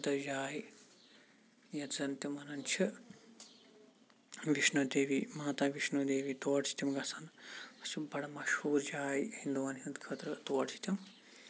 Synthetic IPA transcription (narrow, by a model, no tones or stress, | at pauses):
d̪ɐd͡ʒaːj | jɐt̪zɐnt̪imɐnɐnt͡ʃʰi | ʋiʃnud̪eːʋimaːt̪aːʋiʃnud̪eːʋit̪oːʈʰi̥t̪imɡɐsʰɐnɐsibɐɽɐmɐʃhuːɾd͡ʒaːjhind̪uʋaːnɦint̪kʰɐt̪ɾɐt̪oːʈʰi̥t̪ʲim